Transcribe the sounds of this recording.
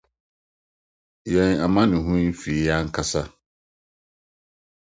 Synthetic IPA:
jɛ̃˨na˨mã˦nɪ̃˨ɦũ˦fi˨ja˦ŋ̩˦kʰa˦sa˦

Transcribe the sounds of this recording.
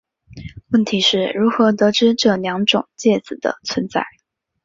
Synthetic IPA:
wə˥˩nt̪ʰi˧˥ʂɻ̩˥˩ɻu˧˥xɤ˧˥t̪ɤ˧˥ʈ͡ʂɻ̩˥ʈ͡ʂɤ˥˩ljɑ˧˥ŋʈ͡ʂʊ˨˩ŋt͡ɕjɛ˥˩t͡sɹ̩˨˩d̪ə̰˦t͡sʰwə˧˥nt͡sa˥˩ɪ

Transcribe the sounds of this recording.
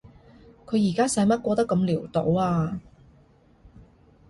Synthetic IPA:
kʰɵ˨˧ɥjiː˨˩kaː˥sɐ˨˥jmɐ˥t̚kʷɔː˧t̪ɐ˥kːɐ˧mliː˨˩wt̪o˨˥waː˧

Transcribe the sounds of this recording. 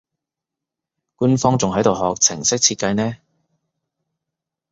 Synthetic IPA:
kuː˥nfɔː˥ŋt͡sʊ˨ŋɦɐ˨˥jt̪o˨wɦɔː˨k̚t͡sʰɪ˨˩ŋsɪ˥k̚t͡sʰi˧t̚kɐ˧jnɛː˥

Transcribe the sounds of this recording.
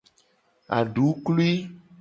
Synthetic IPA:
a̰˨ɖu˨˦klu˦i˦

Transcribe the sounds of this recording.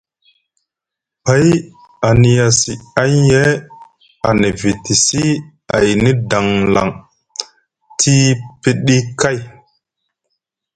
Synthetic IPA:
pa˨˦j | a˨ni˨ja˨si˨a˦je˦ | a˨ni˨vi˨ti˨si˦ | a˨jni˦da˨ŋla̰˨ŋ | tʰi˦pi˦ɗi˦ka˦˨j

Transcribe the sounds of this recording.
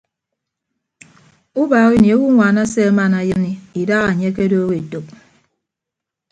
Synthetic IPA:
u˦ba˨ɣi˦ni˨o˦wu˦ŋʷa˨na˦se˦ma˦˨na˨jɨ˦ni˦i˨da˦ɣa˨ɲe˦k̬e˦doː˦ɣe˨to˨p̚

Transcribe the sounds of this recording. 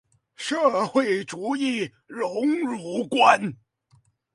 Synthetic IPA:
ʂɤ˥˧xwe˥˩ɪʈ͡ʂu˧˥i˥˩ | ɻʊ˧˥ŋɻu˨˥˩kwa˥n

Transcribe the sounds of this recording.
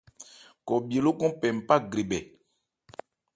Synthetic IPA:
kɔ˨be˨lo˦kɔ̃˦pɛ˨m̩˨pa˦ɡɾi˨bɛ˨

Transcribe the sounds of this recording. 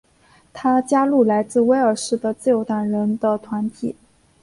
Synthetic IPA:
t̪ʰa˥t͡ɕja˥lu˥˩la˧˥ɪt͡sɹ̩˥˩˧we˥ɪə˞˨˩ʂɻ̩˥˩d̪ə˩t͡sɹ̩˥˩jo˧˥ʊt̪a˥˩nɻə˧˥nd̪ə˧t̪ʰwa˧˥nt̪ʰḭ˨˩˦

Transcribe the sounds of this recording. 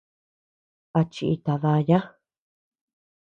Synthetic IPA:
a˧t͡ʃi˧ʔi˧t̪a˧ða˧ja˦

